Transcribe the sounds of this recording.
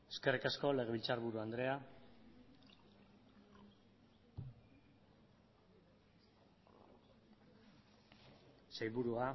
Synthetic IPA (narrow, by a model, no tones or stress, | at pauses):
e̞ske̞rikasko̞le̞ɣ̞e̞βilt͡saɾβuɾuand̪ɾe̞a | sajβuɾua